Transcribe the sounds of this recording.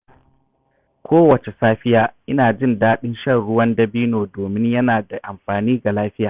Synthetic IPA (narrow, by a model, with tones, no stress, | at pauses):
kʷʰoː˦wɐ˨t͡ʃe˨saː˦ɸɪ˦jaː˨ʔɪ˦naː˨d͡ʒɪ˦˨ndaː˦ɗɪ˦nʃɐ˦nɽʊ˦wɐ˦ndɐ˦biː˦noː˨doː˨mɪ˦ɲjɐ˦naː˨da˨ʔa˨mɸaː˨niː˦ɡa˨laː˦ɸɪ˦jaː˨